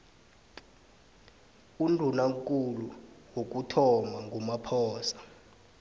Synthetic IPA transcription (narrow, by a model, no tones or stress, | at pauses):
undʱunaŋkʼuluwok̬ʼutʰɔmaŋɡʱumapʰɔːsḁ